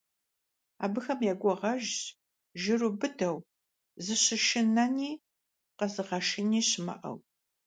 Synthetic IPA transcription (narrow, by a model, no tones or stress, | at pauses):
a̰ːbɨxɐmjaɡʷɔʁɐʒ | ʒɪrubɨdɐw | zɨɕɪʃɪnɐniː | qɐzɨʁɐʃɪniːɕɪmɐ̰ʔɐ̰w